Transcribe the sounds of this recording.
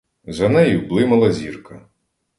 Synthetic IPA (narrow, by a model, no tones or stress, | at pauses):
zɐnɛjʊblˠɪmɐlˠɐzʲirkɐ